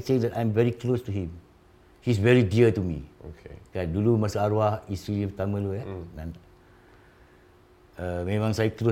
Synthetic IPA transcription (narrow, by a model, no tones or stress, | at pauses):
sedɛtãjmvɛɹiklostuɦĩm | his̬vɛɹidiətumḭokekandulumasəaɾwahisilipət̪amə̃luɛnãn | əmẽmãŋsajəklo